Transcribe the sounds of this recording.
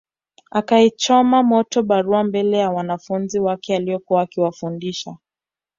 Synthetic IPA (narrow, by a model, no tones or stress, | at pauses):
akaɛt͡ʃɔmamɔtɔɓaɾuambɛlɛjawanafunziwakɛaliɔkuaːkiwafundiʃa